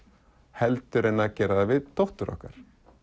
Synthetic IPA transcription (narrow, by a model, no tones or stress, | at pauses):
hɛlt̪ʏɾejnːacɛːɾaðavɪðt̪ɔwht̪ʏɾɔ̰hkaɾ̥